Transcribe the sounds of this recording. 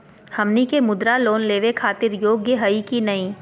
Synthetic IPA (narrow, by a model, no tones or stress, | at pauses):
hɐmnikemʊd̪ɾaloːnleːʋekʰaːt̪ɪɾjoːɡjəɦɐikinɐĩː